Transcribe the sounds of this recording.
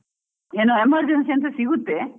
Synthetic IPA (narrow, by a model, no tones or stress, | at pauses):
eːnoemɐɾd͡ʒensɐnsɐsiɡut̪ːe